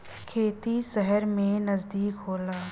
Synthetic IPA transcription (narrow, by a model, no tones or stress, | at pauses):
kʰeːt̪isəɦəɾmẽnɐzd̪iːkɦoːlaː